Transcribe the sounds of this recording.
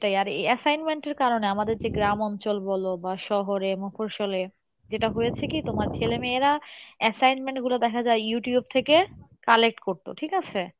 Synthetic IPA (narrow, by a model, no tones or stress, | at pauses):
ʈajaɾḛɛsajnmeɳʈeɾkaɾoneamad̪eɾd͡ʑeɡɾamɔnt͡ɕolbɔlobaʃɔɦoɾemopʰoɾʃole | d͡ʑeʈaɦojet͡ɕʰekit̪omaɾt͡ɕʰelemeeɾaɛsajnmeɳʈɡulod̪ɛkʰad͡ʑaejuʈijub̚t̪ʰekekalek̚ʈkoɾt̪o̰ʈʰikat͡ɕʰe